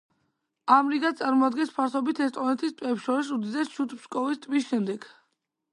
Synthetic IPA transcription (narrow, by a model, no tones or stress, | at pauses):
amɾiɡat̪sʼaɾmɔad̪ɡɛnspʰaɾt̪ɔbit̪ʰɛst̪ʼɔnɛt̪ʰist̪ʼvwɛpsʃɔɾis̬ud̪id̪ɛsʃut̪ʰpskʼɔvist̪ʼvisʃɛmd̪ɛɡ